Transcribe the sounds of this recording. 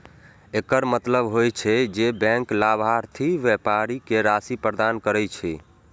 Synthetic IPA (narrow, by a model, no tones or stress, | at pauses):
ekəɾmət̪ləbɦojt͡ʃʰɛd͡ʒebɛ̃ŋklabʱaɾt̪ʰiʋɛpaɾikeɾasipɾəd̪ankəɾɛt͡ʃʰɛ